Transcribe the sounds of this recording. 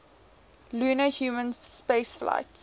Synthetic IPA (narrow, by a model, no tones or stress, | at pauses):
luːnəhjuːmə̃nspeːsfla̰ɪts